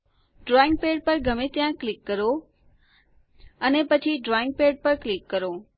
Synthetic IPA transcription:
ɖɾɔːɪ̃ŋɡ̚peːɖ̚pəɾɡʱəmẽt̪ijãklɪkːəɾo | ənepɐt͡ʃʰiɖɾɔːɪ̃ŋɡ̚peːɖ̚pəɾklɪkːəɾoː

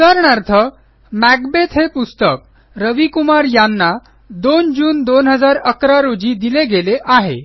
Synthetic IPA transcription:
t̪aɾɳaɾt̪ʰə | mæɡbet̪ɦepust̪ək̚ | ɾəʋikumaɾjanːa | d̪ond͡ʑuːnd̪onɦəd͡zaɾəkɾaɾod͡ʑiːd̪ileɡeleʔaɦḛ

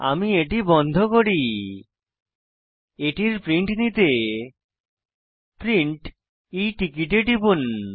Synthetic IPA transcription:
a̰mieʈibɔnd̪ʱokoɽi | eʈiɾpɾiɳʈnit̪e | pɾiɳʈ | iʈikiʈeʈibun

